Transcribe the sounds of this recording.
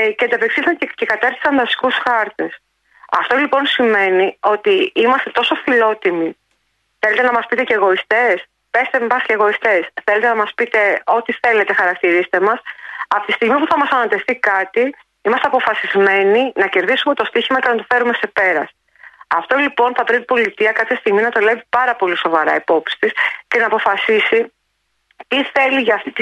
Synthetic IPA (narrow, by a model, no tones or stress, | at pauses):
ceɐnd̪ɐpeksiθɐncekɐt̪ɐɾθi̥sɐnðɐst̪i̥kusxɐɾt̪e̞s | ɐ̰ft̪o̞lipo̞nsime̞nio̞t̪iimɐst̪e̞t̪o̞so̞filo̞t̪imi | θele̞t̪e̞nɐmɐspit̪e̞ce̞ːɣo̞ist̪e̞s | pe̞st̪emmɐsceɣo̞ist̪e̞sθelet̪enɐmɐspit̪e̞o̞t̪iθe̞le̞t̪e̞xɐɾɐk̚t̪iɾise̥t̪e̞mɐsɐpo̥t̪ist̪iɣmipuθɐmɐsɐnɐt̪e̞fθikɐt̪i | imɐst̪eɐpo̞fɐsizme̞ninɐce̞ɾðisume̞t̪o̞st̪içizmɐcenɐt̪o̞fe̞ɾume̞se̞pe̞ɾɐs | ɐft̪o̞lipo̞nθɐpɾet̪ibo̞lit̪iɐkɐpçɐst̪iɣminɐt̪o̞le̞vipɐɾɐpo̞liso̞vɐɾɐ̰ipo̞psi̥t̪isce̞nɐːpo̞fɐsisi | t̪iθe̞liʝɐːft̪it̪